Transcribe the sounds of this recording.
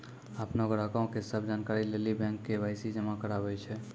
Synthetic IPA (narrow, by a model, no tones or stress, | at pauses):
apnoɡɾakãõkesəbʱd͡ʒankaɾilelibɛ̃ŋkːebʱaɪsid͡ʒəmakəɾabɛt͡ʃʰɛ